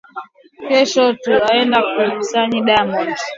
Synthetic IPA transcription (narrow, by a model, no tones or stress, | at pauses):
kɛʃɔtuaɛndakumusaɲiɗamad͡ʒi